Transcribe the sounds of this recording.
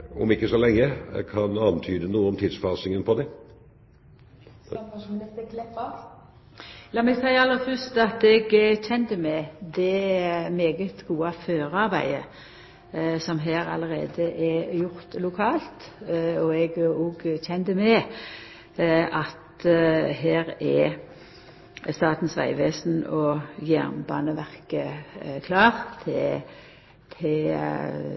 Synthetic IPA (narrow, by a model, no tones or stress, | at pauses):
ɔ̰mɪkːəsɔlɛŋːəkʰɑnɑnt̪ʰyːd̪ənuːəɔmt̪ʰiːd̪sfɑːsɪŋənpʰɔd̪ɛ | kʰlɛp | ɑːmɛɡsæɪəɑlːəfœst̪ɑt̪ɛɡçɛnd̪əmɛd̪ɛmeːɡət̪ɡuːɑføːɾɑʁbæ̰ɪə̰ | sɔmɦeːɾɑ̰ləʁḛːd̪əʔɛjʊʁt̪lʊkʰɑːlt̪ɔɛɡoɡçɛnd̪əmɛ | ʔɑt̪heːʁɛ | st̪ɑːt̪n̩sʋæ̰ɪʋeːsn̩ɔjæ̰ʁnbɑ̰ːnəʋæʁkəkʰlɑːʁt̪ʰɛ | t̪ʰɪ